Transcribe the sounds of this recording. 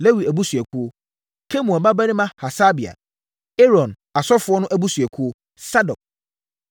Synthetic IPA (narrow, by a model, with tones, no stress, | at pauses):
le˦wi˨æ˨bu˦sɥɛ˨kʰu˦o˦ | kʰe˦mũ˨ba˦bæ˦nĩ˦mã˦ha˨sa˦bi˨a̰˨ | e˦ɾɔ̃˨n | a˨sɔ˦fʊ˨˦ɔ˦nʊ̃˦ʔæ˦bu˦sɥɛ˨kʰu˦o˦ | sa˦dɔ˨k̚